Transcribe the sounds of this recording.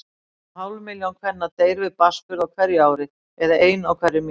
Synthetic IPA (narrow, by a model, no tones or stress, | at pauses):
haːwlmɪljawnkʰvɛnːat̪eːjɾvɪðpaskʏɾawkʰvɛɾjʏaːwɾɪ | ɛðaʔeːjnawkʰvɛɾjʏmi